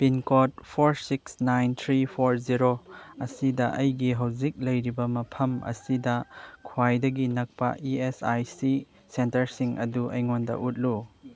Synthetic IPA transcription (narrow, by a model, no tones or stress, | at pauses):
pinkot̚pʰoɾsiksnajnt̪ʰɾipʰoɾziɾoɐsidɐʔɐjɡiɦɐwzik̚lɐjɾibɐmɐpʰɐmɐ̰sidɐkʰwajdɐɡinɐk̚pɐ̰ʔiesajsi | sentɐɾsiŋɐ̰duʔɐjŋondɐ̰ʔut̚lu